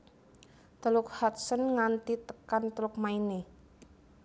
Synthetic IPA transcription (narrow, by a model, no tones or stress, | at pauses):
t̪əlʊk̚hat̪sənŋant̪it̪əkant̪əlʊk̚maine